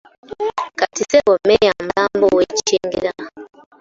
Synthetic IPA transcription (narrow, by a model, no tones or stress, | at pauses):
katisewomejamulaːmbowecit͡ʃeːŋɡiɾa